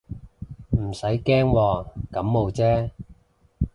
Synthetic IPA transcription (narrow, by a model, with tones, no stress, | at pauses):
m̩˨˩sɐ˨˥jkɛː˥ŋwɔː˧kɐ˨˥mːo˨˧wt͡sɛː˥